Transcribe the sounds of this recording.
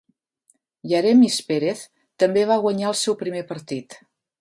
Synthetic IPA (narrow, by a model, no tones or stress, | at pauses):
jəɾɛmispeɾeθ | t̪əmbeβ̞aɣ̞wəɲaəlˠsɛwpɾimepəɾt̪it̪